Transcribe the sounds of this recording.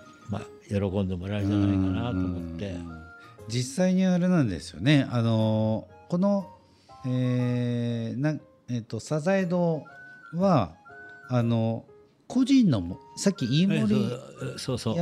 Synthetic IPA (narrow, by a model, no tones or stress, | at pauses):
ma̰ | jo̞ɾo̞kõ̞nd̪e̞mo̞ɾaɯd͡ʑanaikanat̪ːmot̪ːe̞ | d͡ʑisːaiɲ̟iaɾenãnd̪e̞̰sɨ̥jo̞̰ne̞ano̞ko̞no̞ | eː | nã | et̪ːo̞sazaid̪oːβaː | no̞ | kʰo̞ʑĩnːomosakʲːiiːmo̞ɾʲisoːsoa